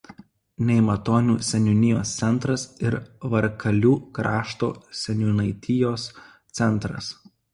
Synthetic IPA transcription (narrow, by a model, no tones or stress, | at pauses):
nʲɛɪmɐt̪oːnʲuːsʲɛnʲʊnʲɪjoːst̪sʲɛnˑt̪ɾɐsɪɾʋɐɾkʰɐlʲuːkɾɑːʃt̪o̰ːsʲɛnʲʊnɐɪt̪ʲɪjoːs | t̪sʲɛnˑt̪ɾɐ̰s